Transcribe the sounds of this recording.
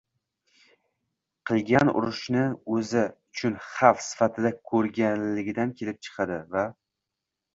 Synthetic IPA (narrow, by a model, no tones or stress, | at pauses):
qʰɨlˠɡʲanʊ̰ɾʊʃnɪɵzɪʊt͡ʃʰʊnχafsɪ̥fat̪ʰɪd̪akʰɵɾɡʲanlɪɡʲɪd̪ankʲʰe̞lɪp̚t͡ʃʰɨ̥qʰɑd̪ɪva